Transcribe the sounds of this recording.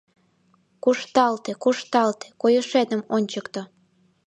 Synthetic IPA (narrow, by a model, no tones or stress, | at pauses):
kuʃt̪ɑlt̪ekuʃt̪ɑlt̪e̥kojəʃed̪əmonʲt͡ɕəkt̪o